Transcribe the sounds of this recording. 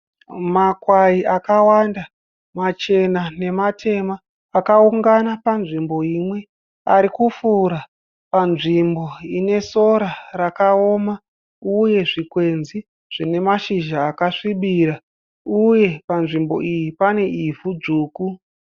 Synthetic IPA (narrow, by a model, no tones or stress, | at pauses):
makwaiakawanda | mat͡ʃe̞nane̞matʰe̞maː | kauŋɡanapanʐimbo̞imwe̞ | aɾikufuɾa | panʐimbo̞ine̞so̞ɾarakao̞ma | uje̞ʐikwe̞nzi | ʐ̥ine̞maʃiʒaːkaʂiɓiɾa | uje̞panʐimbo̞̰ʔijipane̞ivud͡zuːku